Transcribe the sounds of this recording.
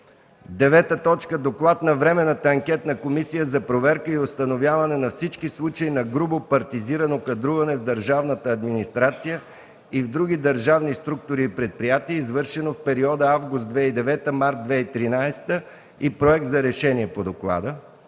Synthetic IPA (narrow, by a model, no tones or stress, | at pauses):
d̪ɛvɛt̪ət̪ɔt͡ʃkəd̪oklˠat̪nɐvɾɛmɛnət̪əɐŋkʲɛt̪nɐkomisijəzɐpɾovɛɾkəiost̪ɐnovjavɐnɛnɐfsit͡ʃkislˠut͡ʃəinɐɡɾubopɐɾt̪iziɾənokɐd̪ɾuvɐnɛvd̪əɾʒavnət̪əːd̪minist̪ɾat̪sijə | ivd̪ɾuɡʲid̪əɾʒavnist̪ɾuk̚t̪ʊɾiːpɾɛt̪̚pɾijat̪iɛizvɤɾʃɛnofpɛɾiɔd̪əavɡʊst̪d̪vɛid̪ɛvɛt̪əmaɾt̪̚d̪vɛit̪ɾinajst̪ə | ipɾoɛk̚t̪zɐɾɛʃɛnʲiɛpod̪oklˠa̰d̪ə